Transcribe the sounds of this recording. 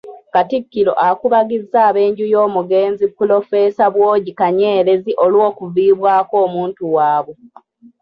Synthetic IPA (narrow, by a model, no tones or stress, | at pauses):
katikːilo̞̰ʔakuβaɡizːaːβe̞ːɲɟujoːmuɡe̞ːnzipːulo̞fe̞ːsaβwoːɟikaɲe̞ːɾe̞ziʔo̞lwo̞ːkuviːβwaːko̞ːmuːntuwaːβwe